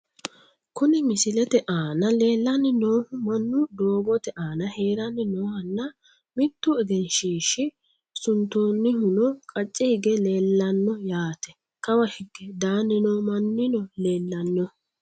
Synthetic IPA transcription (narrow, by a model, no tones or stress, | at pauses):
kʊnɪmɪsɪlɛt̪ɛʔaːnɐle̞ːlːɐnːɪno̞ːhʊmɐnːʊd̪oːbɔt̪ɛʔaːnɐhe̞ːɾɐnːɪnoːhɐnːɐ | mɪt̪ːʊɛɡɛnʃiːʃɪ | sʊnt̪oːnːɪhʊnɔkʼɐt͡ʃʼːɪhɪɡɛle̞ːlːɐnːɔjaːt̪ɛ̥ | kɐwɐhɪɡːɛd̪aːnːɪnoːmɐnːɪnɔleːlːɐnːɔ